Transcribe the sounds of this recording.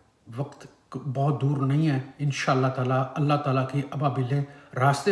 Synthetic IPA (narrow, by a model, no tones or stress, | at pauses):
ʋɐqt̪ | bɔːt̪̚d̪uːɾnɐɦĩɦɛːɪnʃaːəlːat̪aːlaɐlːaɦt̪aːlakiʔɐbaːbɪlẽɾaːst̪e